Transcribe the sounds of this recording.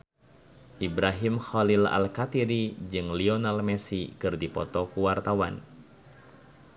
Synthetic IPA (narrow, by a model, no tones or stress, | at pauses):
ʔibɾaɦimxɔlila̰lkat̪iɾid͡ʒɨŋlionalmɛsikɨrdipɔt̪ɔkuwart̪awa̰n